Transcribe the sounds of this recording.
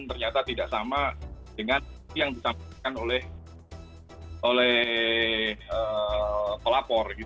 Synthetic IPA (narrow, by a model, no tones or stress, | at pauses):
nt̪ərɲat̪at̪idaʔsamadəŋaijaŋdisakanolɛh | ʔolɛh | ə | pəlapɔrɡit̪